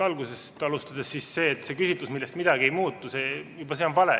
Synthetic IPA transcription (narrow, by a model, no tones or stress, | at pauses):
ɑlɡuse̞st̪ɑlust̪ɑd̪̥esːisse̞ːt̪ːse̞kysit̪lusmilːe̞st̪mid̪̥ɑɡie̞jmuːt̪ːˑuse̞jubɑseonvɑlḛ